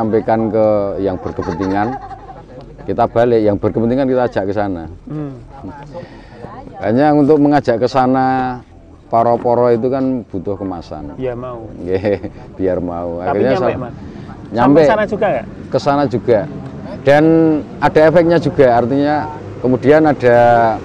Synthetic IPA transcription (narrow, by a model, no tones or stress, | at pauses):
ampekankəjaŋb̥ərkəb̥ənt̪iŋan | kit̪ab̥a̤lejaŋb̥ərkəbənt̪iŋankit̪aːd̥d͡ʒ̥aʔkəsana | b̥aɲaunt̪ʊk̚məŋḁʒ̥a̤ʔkəsana | pɔɾɔpɔɾɔit̪̬ukanb̥ut̪ʊhkəma̰sa̰nukeb̥iarmauakiɲasa | ɲampɛad͡ʒɡa | kəsanad͡ʒuɡ̥ad̥an | ad̥a̤efɛk̚ɲad͡ʒʒ̥uɡ̥a̤art̪iɲa | kəmud̥i̤anad̥a̤